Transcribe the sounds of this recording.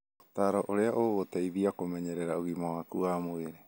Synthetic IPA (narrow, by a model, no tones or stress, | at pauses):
t̪aɾaʔoɾeaʔoːβot̪ajbiakomeɲeɾeɾaʔuɡimahakuʔamoeɾe